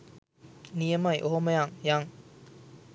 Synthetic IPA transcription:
niamaj̰ʔoɦɔmajaŋjaŋ

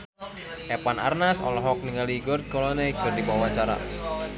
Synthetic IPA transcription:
ʔɛpana̰rnasɔ̰lɔɦɔk̚niŋaliɡɔrt̪̚kɔlɔnɛɡɔrdibawat͡ʃaɾa̰

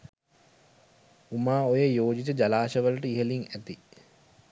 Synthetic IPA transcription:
umaːojəjoːd͡ʒit̪əd͡ʒalaːʃəʋələʈəiɦəliŋæt̪i

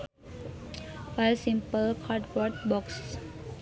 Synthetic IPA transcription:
fasĩmpəlkʰaʈbɔʈ̚bɔks

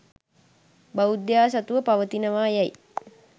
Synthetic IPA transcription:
baud̪jaːs̬at̪uʋəpaʋət̪inəʋaːjɛj

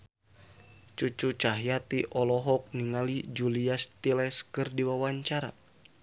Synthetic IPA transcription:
t͡ʃut͡ʃut͡ʃaɦjat̪iʔɔlɔɦɔk̚niŋalid͡ʒuliast̪ilɛskɨrdiwawaɲt͡ʃaɾa̰

